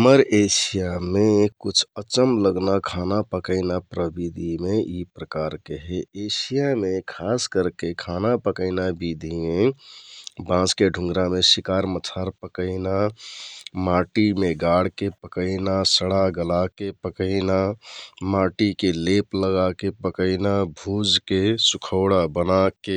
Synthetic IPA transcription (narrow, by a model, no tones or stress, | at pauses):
əməɾesijamekut͡ʃʰət͡ʃəmləɡnakʰanapəkəɪnapɾəbid̪ʱimeʔipɾəkaɾkeɦɛesijamekʰaskəɾkekʰanapəkəɪnabid̪ʱime | bãskeɖʱũŋɡɾamesikaɾmətʰaɾpəkəɪna | maʈimeɡaɽ̤kepəkəɪnasəɽaɡəlakepəkəɪnamaʈikelepləɣakepəkəɪnabʱud͡ʒkesukʰəʊɽabənake